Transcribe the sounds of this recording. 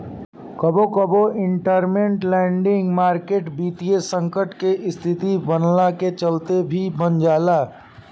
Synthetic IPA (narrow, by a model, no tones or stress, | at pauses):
kɐbokəboɪ̃ɳʈəɾmẽɳʈlɛ̃ːɳɖɪ̃ŋɡmaːɾkeːʈbiːt̪iesə̃ŋkəʈkeʔɪst̪ʰɪt̪ibənlaket͡ʃəlt̪ebʱibənd͡ʒaːlaː